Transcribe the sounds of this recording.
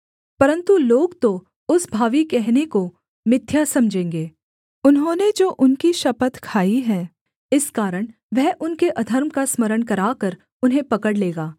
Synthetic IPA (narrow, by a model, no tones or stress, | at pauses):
pɐɾə̃nt̪uloːɡt̪o | ʊsbʱaːʋikɛɦneko | mɪt̪ʰːjasɐmd͡ʒʱẽːŋɡeː | ʊnɦõːned͡ʒoːʔʊnkiʃɐpət̪kʰaːiɦɛ̃ː | ɪskaːɾəɽ̃ | ʋɛɦʔʊnkeʔɐd̪ʱəɾmkasməɾəɽ̃kɐɾaːkəɾ | ʊnɦẽpɐkəɽleːɡaː